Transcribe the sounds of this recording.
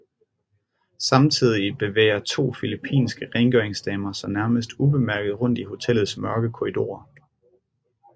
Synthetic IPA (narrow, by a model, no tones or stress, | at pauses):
sɑ̈mt͡sʰið̞̰ˠib̥e̝ʋḛːɐt͡sʰo̝̰ːfilipʰḭːnsɡ̥əʁɛnɡ̥øɐeŋsd̥ɛːmɐsɒ̽mnæɐməsd̥ub̥e̝mæɐɡ̥ð̩ˠʁɔ̽n̰d̥iho̝t͡sʰel̰ð̩ˠsmɶɐɡ̥əkʰo̝id̥o̝̰ːɐ